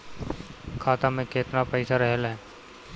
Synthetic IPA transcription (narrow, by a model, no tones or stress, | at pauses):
kʰaːt̪amẽkeːt̪napɛɪsaɾɛɦlɦɛː